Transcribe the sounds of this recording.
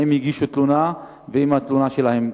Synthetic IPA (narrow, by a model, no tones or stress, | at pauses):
emiɡiʃut̪luna | veimhat̪lunaʃe̞lahe̞m